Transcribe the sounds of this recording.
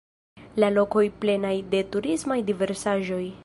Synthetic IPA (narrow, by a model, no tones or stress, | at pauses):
lalo̞ko̞jple̞najde̞tuɾismajdive̞ɾsaʒo̞j